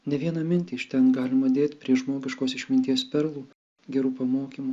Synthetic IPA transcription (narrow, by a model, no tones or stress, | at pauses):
nʲɛʋʲiɛnɑmʲɪnʲt̪ʲiːʃt̪ʲɛnɡɑːlʲɪmɐd̪ʲeːt̪ʲpʲɾʲiɛʒmoːɡʲɪʃkoːsɪʃʲmʲɪnt̪ʲiɛspʲɛɾlˠuː | ɡʲɛɾuːpɐmoːkʲiːmu